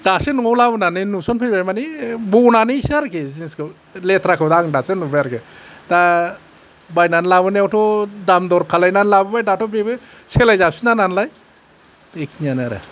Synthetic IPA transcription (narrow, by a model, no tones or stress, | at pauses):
d̥asenɔwlabɯnaninusɔnpʰɯjbajmanibɔnanisaɾkʰezinskʰɯ | letʰɾakʰɯwdaŋdasenubajaɾkʰeda | bajnanlaβɯniawtʰɔdamdɔɾkʰalajnanlabɯbajdatʰɔbebɯ | selajzasinananlaj | ekʰiɲanaɾḛ